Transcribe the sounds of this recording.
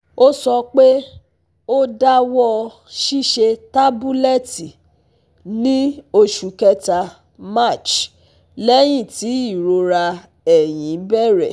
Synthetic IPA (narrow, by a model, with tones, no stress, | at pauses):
o˦sɔ˧k͡pe˦ | o˦da˦wɔ˦ | ʃi˦ʃe˧ta˦bu˦lɛ˦˨ti˨ | nĩ˦o˧ʃu˨kɛ˦ta˧ | ma˦˨t͡ʃ | lɛ˦j̃ĩ˦˨ti˨˦i˦˨ɾo˧ɾa˧ | ɛ˨j̃ĩ˨˦bɛ˦˨ɾɛ̰˨